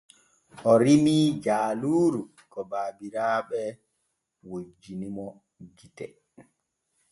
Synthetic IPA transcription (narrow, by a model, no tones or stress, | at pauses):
ʔɔɾimid͡ʒaːluːɾu | kɔbaːbiɾaːɓɛ | wod͡ʒːinimɔ | d͡ʒitɛ̰